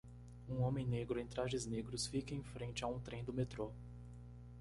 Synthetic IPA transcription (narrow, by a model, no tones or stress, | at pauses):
ũõmẽj̃neɡɾʊẽj̃t̪ɾaʒɪzneɡɾʊsfikɐẽj̃fɾẽnt͡ʃɪaũt̪ɾẽj̃d̪ʊmet̪ɾo